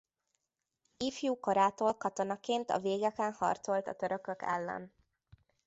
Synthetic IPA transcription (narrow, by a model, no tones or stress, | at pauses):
ifjuːkoɾaːt̪olkɒt̪o̞nɒkeːnt̪ɒ̰veːɡɛkɛnhɒ̰rt̪so̞lt̪ɒ̰t̪øɾøkøkɛ̰lːɛ̰n